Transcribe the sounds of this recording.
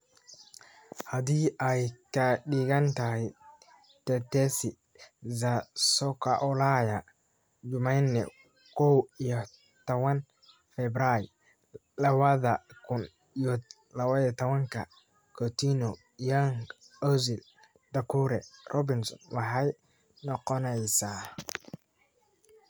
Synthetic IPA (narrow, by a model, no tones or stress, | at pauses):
had̪iːʔajkaɗiɡɐnt̪ahi | t̪ɛt̪ɛsi | zasɔkaʔɔlaja | d͡ʒʊmajnːɛ̰ | kɔwijɔ | t̪ɐwɐn | fɛbɾaj | lɐβɐðɐkʰʊn | iɔ | lɐβɐijt̪ʰɔβɐŋkʰɐ | kʰɔt̪inɔ | jaŋ | ɔzɪl | d̪̥ɐkʰuɾɛ̰rʔɔbɪnsɔ̰nwɑħɑj | nɔqɔnɛjsaː